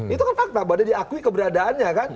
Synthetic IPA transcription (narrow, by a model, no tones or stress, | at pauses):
it̪ukanfak̚t̪abadadiakuikəbəɾadaanɲakan